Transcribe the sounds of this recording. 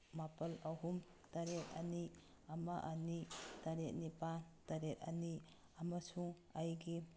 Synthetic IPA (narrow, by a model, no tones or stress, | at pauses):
mapɐlaɦum | taɾet̚ani | amaʔanitaɾet̚nipataɾet̚a̰ni | amasuŋ | ajɡi